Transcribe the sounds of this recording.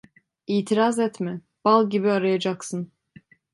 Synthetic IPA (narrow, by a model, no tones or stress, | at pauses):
iːt̪ʰiɾazɛt̪mɛ | b̥alˠɟibiaɾajad͡ʒaksɯn